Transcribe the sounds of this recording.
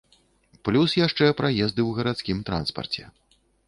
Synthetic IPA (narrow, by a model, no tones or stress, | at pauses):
plʲusjaʂt͡ʂɛpɾajɛzd̪ɨwɣɐɾat̪skʲimt̪ɾa̰nspɐ̰rt͡sʲɛ̰